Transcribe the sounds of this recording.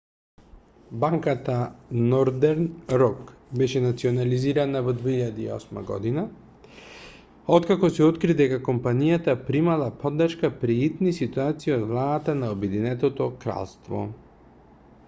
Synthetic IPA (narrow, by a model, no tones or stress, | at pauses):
baŋkat̪anɔɾd̪ɛɾnɾɔkbɛʃɛnat̪siɔnaliziɾanavɔd̪viiʎad̪iiɔ̰sma̰ɡɔ̰d̪ina | ɔt̪kakɔsɛɔt̪kɾid̪ɛkakɔmpanijat̪apɾimalˠapɔd̪ːrʃkapɾiit̪nisit̪uat̪siiod̪vlˠaat̪anaɔbɛd̪inɛt̪ɔt̪ɔkɾa̰lˠst̪vɔ̰